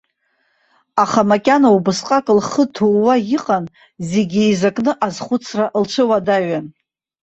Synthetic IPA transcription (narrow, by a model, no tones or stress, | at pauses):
aχamakʲʼanaubɨsqʼakʼɨlχətʰuwajiqʼan | ze̞ɡʲijzakʼnɨʔazχʷʊt͡sʰraʔlʈ͡ʂʷʰɨwadaɥan